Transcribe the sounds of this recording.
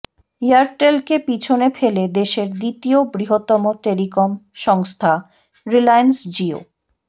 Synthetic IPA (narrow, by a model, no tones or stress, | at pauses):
iaɾʈːelkepit͡ɕʰonefʰeled̪eʃeɾd̪it̪iobɾiɦot̪ːɔmoʈelikomʃɔŋst̪ʰa | ɾilajnsd͡ʑio̰